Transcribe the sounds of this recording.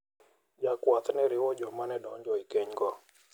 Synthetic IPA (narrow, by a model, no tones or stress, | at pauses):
d͡ʒakwat̪nɛɾɪwɔd͡ʒɔmanɛdɔɲd͡ʒɔikeɲɡɔ